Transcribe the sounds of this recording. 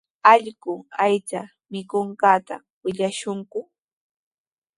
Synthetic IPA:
ɑʎɢʊajt͡sa | mɪkoɴɢɑːt̪a̰ | wɪʎaʃʊŋkʊ

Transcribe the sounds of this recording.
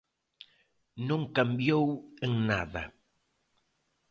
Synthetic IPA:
nõŋkambjoweŋnaðɐ

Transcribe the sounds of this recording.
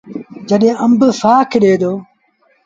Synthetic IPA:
d͡ʒəɗẽːəmbsaːkʰɗeːd̪oː

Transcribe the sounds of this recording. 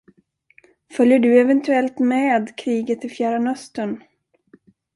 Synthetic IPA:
fœljəɖɵɛvɛnt̪ʰɵɛlt̪mɛːd̪kʰɾiːɡət̪ɪfjæːɾanœst̪əɳ

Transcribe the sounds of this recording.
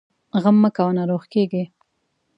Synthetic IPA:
ɣamːəkawanaɾoxkeɡi

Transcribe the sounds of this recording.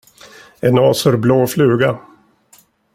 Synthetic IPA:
ɛnɑːsfœɾbloːflʉ̟ːɡa

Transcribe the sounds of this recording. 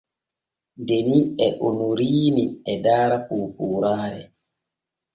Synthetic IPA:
ndeniɛʔonuɾiːniɛdaːɾakoːkuːɾaːɾɛ̰

